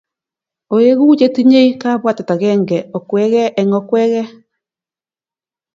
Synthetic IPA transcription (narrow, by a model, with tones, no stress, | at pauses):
o˨je˦ɣu˦d͡ʒe˦ti˦ɲe˦i˦ka˦βwa˦ta˨ta˨ɣɛ˦ŋɡɛ˨ɔ˨kwɛ˦ɣɛ˦ʔɛ˨ŋɔ˦kwɛ˦ɣɛ˦